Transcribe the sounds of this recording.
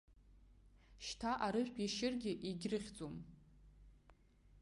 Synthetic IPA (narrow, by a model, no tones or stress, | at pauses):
ʃtʰaʔaɾɨʒʷᶣpʼiʃɪrɡʲɪʔiɡʲrɨχʲd͡zʼom